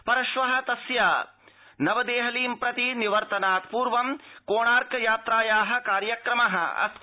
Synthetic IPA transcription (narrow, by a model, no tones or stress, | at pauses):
pɐɾɐʃʋɐɦɐ̆t̪ɐsjaː | nɐʋɐd̪eːɦɐliːmpɾɐt̪iniʋɐɾt̪ɐnaːt̪puːɾʋɐmkoːɳaːɾkɐjaːt̪ɾaːjaːɦɐ̆kaːɾjɐkɾɐmɐɦɐ̰ɐ̰s